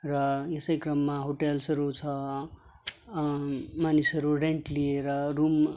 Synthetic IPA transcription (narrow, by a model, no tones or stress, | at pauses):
rʌjesʌjkrʌmːaɦoʈelsʌɾut͡sʰʌ | manisʌɾuɖeɳʈlieɾʌrum